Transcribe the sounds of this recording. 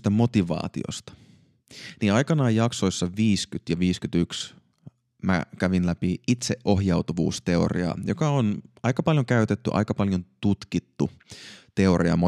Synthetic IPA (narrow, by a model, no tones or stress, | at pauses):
t̪æmo̞t̪iʋɑ̰ːt̪io̰st̪ɑ̥ | niɑjkɑnɑːjjɑkso̞isːɑʋiːskyt̪jɑʋiːskyt̪yks | mæ̰kæʋinlæpiit̪seʔʔo̞hjɑwt̪uʋṵːst̪eo̞̰rḭɑ̰jokɑonɑikɑpɑljoŋkæyt̪et̪ːyʔɑ̰ikɑpɑljont̪ut̪kit̪ːut̪e̞o̞ɾiɑ̰mo